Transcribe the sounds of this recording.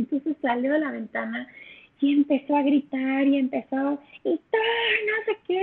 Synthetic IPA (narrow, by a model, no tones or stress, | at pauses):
nt̪onse̞sːaljoðelaβe̞nt̪ana | ie̞mpe̞so̞aɣɾit̪aɾie̞mpe̞soit̪anasake